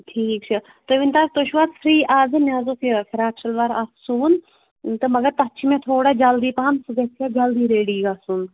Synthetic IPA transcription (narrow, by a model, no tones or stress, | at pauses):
ʈʰiːk̚t͡ʃʰi | t̪oʋint̪aːk̚t̪oːʃʋaːt̪fʰɾiːʔaːzɨnʲjaːzoːfʰifʰiɾaːkʃʰɐlʋaɾaːfsuːn | t̪ɨmɐɡɐɾt̪ɐt͡ʃʰimẽt̪ʰoːɽad͡ʒɐld̪iːpaːmsɨɡɐsʰjaːd͡ʒɐld̪iːɾeːɽiːɡaːsuːn